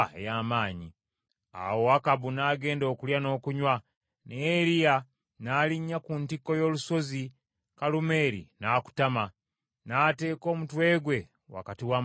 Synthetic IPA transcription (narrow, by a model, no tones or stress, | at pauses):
ḛjaːmaːɲi | a̰wo̞hakabunaːɡe̞ːndo̞ːkuljano̞ːkuɲwa | neɾija | naːliɲːakuntikːo̞jo̞ːluso̞zi | kalume̞ːɾḭnaːku̥tama | naːte̞ːko̞ːmutwe̞ːɡwe̞ | wa̰katiwa